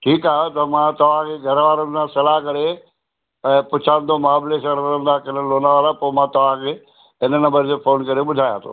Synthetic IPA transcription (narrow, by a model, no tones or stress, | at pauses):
ʈʰiːkaːɦot̪ɐmãt̪ɐʋ̤ãkʰeːɡʱɐɾʋaːɾə̃nd̪ʰãsɐlaːɦkɐɽe | ɛ̃ːpʊt͡ɕʰãːn̆d̪omaːblesəɾɐɾə̃nd̪akɐnəloːnaʋaːlapoːmãːt̪ɐʋ̤ãkʰeː | ɪnənɐ̃mbəɾd͡ʑeːfoːnkɐɾeɓʊd̪ʱaːjãːt̪ʰo̰ː